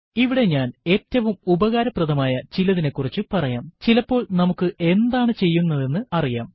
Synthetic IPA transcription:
iʋiɽe̞ɲaːne̞ːtːɐʋumubɐɣaːɾɐprɐðɐmaːjɐt͡ɕilɐðine̞kːurit͡ɕːɨpɐrɐjaːmt͡ɕilɐpːo̞ːɭnɐmukːɨʔe̞nd̪aːɳɨt͡ɕe̞jːunːɐðe̞nːɨɐrijaːm

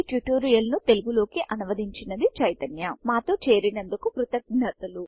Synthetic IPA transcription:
ʈjuʈoːɾijɐlnut̪e̞luɡulo̞ːkiʔɐnuʋɐd̪iɲt͡ʃinɐd̪it͡ʃɐjt̪ɐnjɐmaːt̪o̞ːt͡ʃeːɾinɐnd̪ukukɾut̪ɐɡ̚nɐt̪ɐlu

